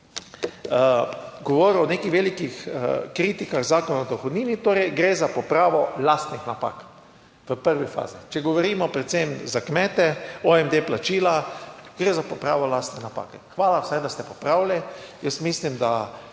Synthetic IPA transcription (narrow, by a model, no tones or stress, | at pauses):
ɡɔʋɔːɾɔneːkixʋelikixkɾiːt̪ikaɣzaːkɔnaɔd̪ɔxɔwniːnit̪oːɾɛjɡɾezapɔpɾaːʋɔlast̪nixnapa̰ːk | ʋəpəɾʋifa̰ːzit͡ʃɛɡɔʋɔɾiːmɔpɾɛt̪semzakmɛːt̪ɛoɛmd̪eplat͡ʃiːlaɡ̥ɾeːzapɔpɾaːʋɔlaːst̪nɛnapa̰ːkɛxʋaːlawsɛd̪ast̪ɛpɔpɾawlɛjəst̪mislimd̪a